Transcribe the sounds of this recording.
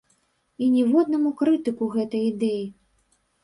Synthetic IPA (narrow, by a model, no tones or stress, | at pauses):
inʲɛvɔd̪nɐmukɾɨt̪ɨkuɣɛt̪ɐjid̪ɛji